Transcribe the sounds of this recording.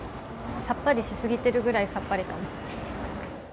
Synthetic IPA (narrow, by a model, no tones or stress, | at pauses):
sapːaɾʲiɕisɨɡʲit̪e̞ɾɯ̟ɡɯ̟ɾaisapːaɾʲit̪omo